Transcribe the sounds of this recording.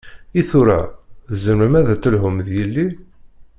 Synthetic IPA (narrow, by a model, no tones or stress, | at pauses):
iθʊɾæ̰ðəzəmɾəmæðæt͡sːəlɦʊmðjəlːi